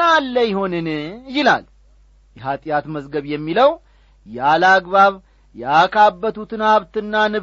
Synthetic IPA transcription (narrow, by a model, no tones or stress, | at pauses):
alːəjɪho̞nɨnjɪla̰l | jɛɦat̪ʼjat̪məzɡəβjɛmːiləw | jalaɡβaβ | jɛakʰʼabːət̪ʰut̪ɨnaβt̪ɨnːanɨ